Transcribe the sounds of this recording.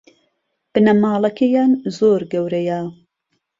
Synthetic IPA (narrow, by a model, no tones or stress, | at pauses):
b̥ɨnɐmɑːlˠɐkejaːnzoːɾɡɐwɾɐja